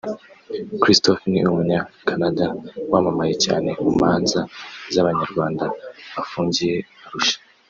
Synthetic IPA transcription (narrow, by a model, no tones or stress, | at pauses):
kɾistofnḭumuɲakʰanadawamamaje̞ca̰ːne̞mumaːnzazaβaɲaɾɡwaːndaβafuːɲɟije̞aɾuʃḁ